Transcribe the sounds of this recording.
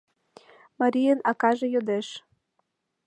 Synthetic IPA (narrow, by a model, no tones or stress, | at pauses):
maɾʲijənɑkɑʒĕjod̪eʃ